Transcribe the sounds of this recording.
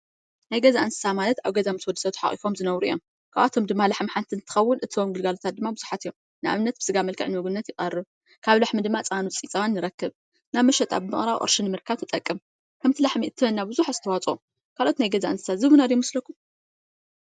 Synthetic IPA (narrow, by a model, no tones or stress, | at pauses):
najɡɐzaʔɨnsɨ̥samalɐt̪aβɡɐzamɨswɔd̪ːɨsɐwt̪ħa̰χʼḭfo̞mzɨnɐwɾuʔijːo̞̰m | kʰaβʔat̪ʰomd̪ɨmːalaħmħant̪ʰɨnt̪ʰɨ̥xɐwːʊnʔɨt̪ʰiomɡɨlɡalot̪ʰat̪̚d̪ɨmːabɨzuħat̪ɨjom | nɨʔa̰βnːɐt̪̚bɨ̥sɨɡamɐlkʰɨ̰ʕnɨmɨɡunnːɐt̪jɪχʼɐrːɨβ | kʰaβlaħmɨd̪ɨmːat͡sʼanut͡sʼit͡sʼawanːɨɾɐkːɨβ | naβmɐʃɛt̪ʼa̰bɨmɨχʼɾawʔʼo̰ɾʃɨnːɨmɨɾkʰaβt̪ʰɨt̪ʼɐkʼːɨm | kʰɐmt̪ʰɨlaħmiʔɨt̪ʰːɨβɐnːabɨzuħazɨt̪ʰɐwat͡sʼo | kʰalʔo̞t̪najɡɐzaʔɨnsɨsazɨβunad̪jɛmɨslɐkːum